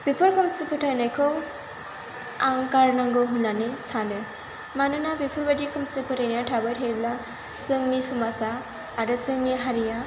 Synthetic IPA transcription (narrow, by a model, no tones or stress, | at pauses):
b̥ipʰɔɾkɯmsɯpʰɯtʰajnajkʰɯw | aŋkaɾnaŋɡɯɦunanesade | manɯnabipʰɔɹbadikʰɯmsɯpʰɯtʰajnijatʰabajtʰejbla | sɯŋnisumasaː | ɾɯsɯŋniɦaɾija